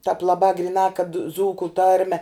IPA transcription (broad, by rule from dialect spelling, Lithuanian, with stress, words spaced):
tɑːp lˠɐˈbɑː ɡrʲɪˈnɑː kɐt ˈd͡zuːkʊ ˈtɐrʲmʲɛ